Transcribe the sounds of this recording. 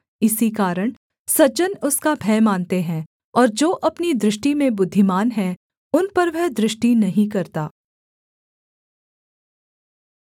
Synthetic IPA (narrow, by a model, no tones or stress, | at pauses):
ɪsikaːɾəɽ̃ | sɐt͡ʃənʊskabʱɛːmaːnt̪eɦɛ̃ː | ɔːɾd͡ʒoːʔɐpnid̪ɾɪʃʈimẽbʊd̪ʱːɪmaːnɦɛ̃ | ʊnpɐɾʋɛɦd̪ɾɪʃʈinɐɦĩkɐɾt̪aː